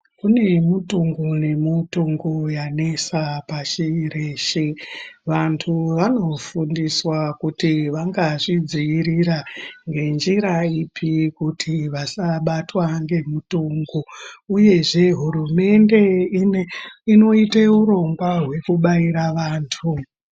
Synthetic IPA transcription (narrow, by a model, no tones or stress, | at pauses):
kune̞mutuŋɡune̞mutuŋɡujane̞sapaʃireːʃiʋantʰuʋano̞fundiswakutiʋaŋɡaʐid͡ziiɾiɾaŋɡe̞nd͡ʒiɾaipʰikutʰiʋasaɓatwaŋɡe̞mutuːŋɡuuje̞ʐe̞ɦurume̞nde̞ | ino̞iteuɾo̞ŋɡwaɦwe̞kuɓaiɾaʋaːntʰu